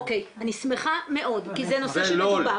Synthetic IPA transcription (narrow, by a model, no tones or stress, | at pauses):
okejanismeχame̞ʔo̞dkizenosba